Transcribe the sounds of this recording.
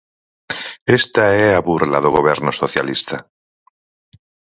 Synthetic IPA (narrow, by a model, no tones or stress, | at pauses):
est̪aeaβuɾlaðoɣoβ̞eɾnosoθja̰list̪a